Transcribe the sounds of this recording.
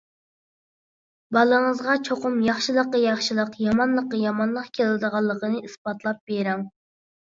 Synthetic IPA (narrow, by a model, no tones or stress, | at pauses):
bɑlˠəɴəzʁɑt͡ʃʰoqʊmjɑχʃilˠəqːəjɑχʃilˠəqjɑmɑnlˠəqːəjɑmɑnlˠəqkʲʰelɪd̪əʁɑlˠːəqʰənɨisbɑt̪ʰlˠɑp̚b̥eɾɛŋ